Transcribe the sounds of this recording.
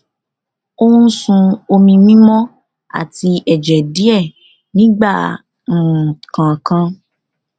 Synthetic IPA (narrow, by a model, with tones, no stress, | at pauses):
o˦ũ˦sũ˧o˧mĩ˧mĩ˦mɔ̃˦ | a̰˦˨ti˧ɛ˨d͡ʒɛ˨di˨˦ɛ˦˨ | nĩ˨˦ɡ͡ba˦˨ | kã˨kã˧